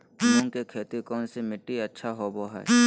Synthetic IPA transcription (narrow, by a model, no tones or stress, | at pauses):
lõŋkekʰeːt̪ikɔːnsemɪʈːiɐtːʃʰaɦoboɦɛ̰ː